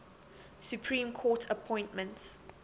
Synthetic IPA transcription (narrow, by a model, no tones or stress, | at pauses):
supʰɹĩmkʰɔˑtʰəpʰɔ̃ɪj̃ntmə̃nts